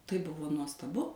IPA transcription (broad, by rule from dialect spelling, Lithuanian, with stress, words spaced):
tɐɪ ˈbʊʋoː nuɔstɐˈbʊ